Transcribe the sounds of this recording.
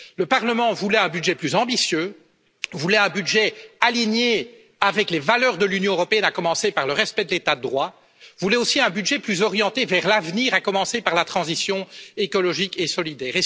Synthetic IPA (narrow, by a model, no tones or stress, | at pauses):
ləpaʁləmɑ̃vulɛɛ̃byd̪ʒɛplyzɑ̃bisjø | vulɛɛ̃byd̪ʒɛaliɲe | avɛklevalœːʁd̪əlynjɔ̃øʁɔpeɛnakɔmɑ̃sepaʁləʁɛspɛd̪əlet̪ad̪əd̪ʁwa | vulɛosiɛ̃byd̪ʒɛplyzɔʁjɑ̃t̪evɛʁlavniːʁakɔmɑ̃sepaʁlat̪χɑ̃zisjɔ̃ekɔlɔʒikesɔlid̪ɛːʁe